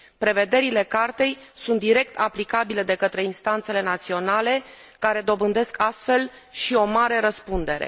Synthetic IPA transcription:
pɾe̞ve̞d̪e̞ɾile̞kart̪e̞j | sunt̪̚d̪iɾe̞k̚t̪ʰaplikabile̞d̪e̞kət̪ɾe̞inst̪ant̪se̞le̞nat̪sio̞nale̞ | kaɾe̞d̪o̞bɨnd̪e̞skʰast̪fe̞l | ʃio̞maɾe̞ɾəspund̪e̞ɾe̞̰

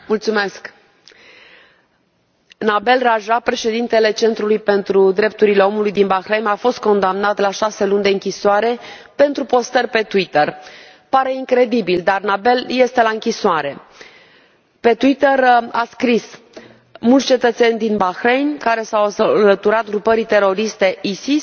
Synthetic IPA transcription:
mult̪sume̞sk | nabe̞lraʒapɾe̞ʃe̞d̪int̪e̞le̞t͡ʃe̞nt̪ɾulujpe̞nt̪ɾud̪ɾe̞p̚t̪uɾile̞o̞mulujd̪inbaxɾejnafo̞st̪̚ko̞nd̪amnat̪laʃase̞lunʲd̪e̞ɨŋkʲisoaɾe̞ | pe̞nt̪ɾupo̞st̪ərʲpe̞t̪uwit̪ər | paɾe̞iŋkɾe̞d̪ibild̪arnabe̞lje̞st̪e̞laɨŋkʲisoaɾe̞ | pe̞t̪uwit̪əɾaskɾis | mult̪st͡ʃet̪ət̪se̞nʲd̪inbaxɾejnʲkaɾe̞sawlət̪uɾat̪̚ɡɾupəɾit̪e̞ɾo̞ɾist̪e̞ʔisis

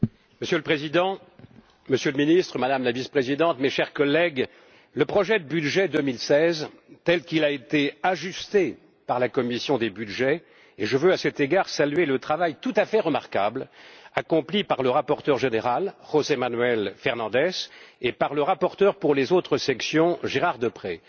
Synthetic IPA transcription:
məsjøləpχezid̪ɑ̃ | məsjøləminist̪χəmad̪amlavispχezid̪ɑ̃t̪meʃɛʁkɔlːɛɡ | ləpχɔʒɛd̪əbyd̪ʒɛd̪əmilsɛz | t̪ɛlkilaet̪eaʒyst̪e | paʁlakɔmisjɔ̃d̪ebyd̪ʒɛ | eʒəvøasɛt̪eɡaʁsalɥelət̪χavajt̪ut̪afɛʁəmaʁkablakɔ̃plipaʁləʁapɔʁt̪œʁʒeneʁalʁozemanɥɛlfɛʁnɑ̃d̪ɛsepaʁləʁapɔʁt̪œʁpuʁlezot̪χəsɛksjɔ̃ʒeʁaʁd̪əpχɛ

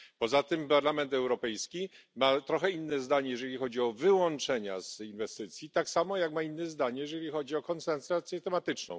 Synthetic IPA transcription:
pɔzat̪ɘmpaɾlamɛnt̪ɛwɾɔpɛjskʲimat̪ɾɔxɛinːɛzd̪aɲɛjɛʐɛlʲixɔd͡ʑiɔvɘwɔnt͡ʂɛɲa̰zinvɛst̪ɘt̪sʲjit̪aksamɔjakmainːɛzd̪aɲɛjɛʐɛlʲixɔd͡ʑiɔkɔnsɛnsɾat̪sʲjɛt̪ɛmat̪ɘt͡ʂnɔ̰̃w̃

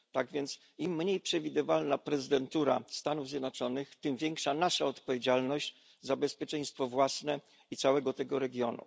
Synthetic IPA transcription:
t̪aɡvʲjɛnt̪s | imːɲejpʂɛvʲid̪ɘvalnapɾɛzɨd̪ɛnt̪uɾa̰st̪anuvzʲjɛd̪nɔt͡ʂɔnɘxt̪ɘmvʲjɛŋkʂanaʂaɔt̪pɔvʲjed͡ʑalnɔɕd͡ʑ | zabɛspʲjɛt͡ʂɛɲ̃st̪fɔvwasnɛ | itsawɛɡɔt̪ɛɡɔɾɛɡʲjɔnṵ

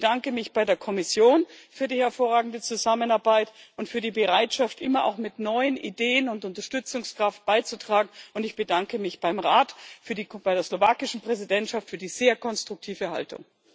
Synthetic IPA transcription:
bəd̥aŋkəmɪçb̥aɪdeːɐkʰɔmɪsjoːnfyːɐdiːhɛɐfoːɐʁaːɡŋ̩dət͡suzamənaɐbaɪtʊntfyːɐdiːbəʁaɪtʃaftʔɪmɐʔa̰ʊxmɪtnɔʏənḭdeːənʊntʊntɐʃtʏt͡sʊŋskʁ̥aft̚b̥aɪt͡sutʁ̥aːɡŋ̩ʊntɪçb̥ədaŋkəmɪçb̥aɪmʁaːtfyːɐdib̥aɪɾeːɐslovaːkɪʃn̩pʁ̥ɛzidɛntʃaftfyːɐdiːz̥eːɐkʰɔnstʁ̥ʊk̚tʰiːvəha̰ltʊ̰ŋ

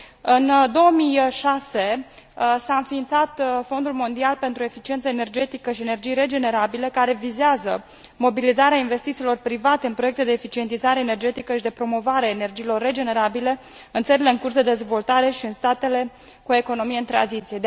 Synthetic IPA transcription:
ɨnd̪o̞wəmijʃase̞ | saɨnfiːnt̪sat̪fo̞nd̪ulmo̞nd̪ialpe̞nt̪ɾue̞fit͡ʃient̪səene̞rd͡ʒe̞t̪ikəʃie̞ne̞rd͡ʒijɾe̞d͡ʒe̞ne̞ɾabile̞kaɾe̞vizeazə | mo̞bilizaɾeainve̞st̪it̪siːlo̞rpɾivat̪eɨnpɾoje̞k̚t̪e̞d̪e̞ːfit͡ʃie̞nt̪izaɾeːnerd͡ʒe̞t̪ikəʃid̪e̞pɾo̞mo̞vaɾeaene̞rd͡ʒiːlo̞rːe̞d͡ʒe̞ne̞ɾabile̞ | ɨnt̪səɾileɨnŋkursd̪e̞d̪e̞zvo̞lt̪aɾe̞ʃiɨnst̪at̪e̞le̞ | kue̞ko̞no̞mijeɨnt̪ɾa̰nzit̪sije̞d̪

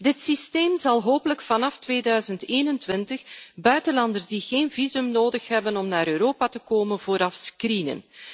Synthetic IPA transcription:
dɪtsisteːmzɑlˠɦoːpələkfɑnɑftʋeːdœɥzənteːnəntʋɪntəxbœɥtənlɑndərzdiɣeːnvizɵmnoːdəxɦɛbənɔmnaːɾøːɾoːpatəkoːmənvoːɾɑfskrinə̰n

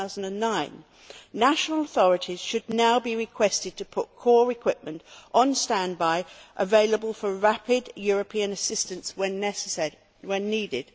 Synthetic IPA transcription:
aʊz̃n̩dɨ̃nːãɪ̃nː | æʃnl̩ˠəθɔɹɨɾʰiz̥ʃɨdⁿnaʊbiɹɨkʰw̥ɛstɨd̚tʰɨpʰʊt̚kʰɔːɹɨkʰw̥ɪp̚mə̃ntʔn̩stæ̃nbaɪʔəveɪlˠəbəlˠfəɹæpɪdjɔɹɨpʰĩɨ̃nɨsɪstɨ̃ntswɨ̃nɛs | wɨ̃nːiːdɪd̥

